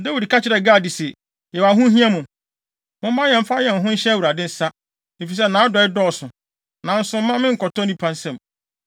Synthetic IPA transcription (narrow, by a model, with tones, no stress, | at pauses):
de˦wi˨dkʰa˦t͡ɕʰɪ˦ɾɛ˨ɡa˦˨di˨sɛ˨ | jɛ˨wa˨ɦʊ̃˦ɦĩ˦a˦mʊ̃˨ | mʊ̃˦m˦mã˦jɛ̃˨m̩˦fa˦jɛ̃˨n˨ɦʊ̃˦n̩˦ɕɛ˦wu˨ɾa˨dɪ̃˦n̩˨sa˦ | ne˨fi˨s̬ɛ˦nãː˨˦dɔ˨ɪ˦dɔ˦˨sʊ̃˨ | nã˨n̩˦sʊ̃˦m̩˦mã˦mɪ̃˦ŋ̩˨kʰɔ˨tʰɔ˦nĩ˦pʰã˦n˦sɛ̃˦˨m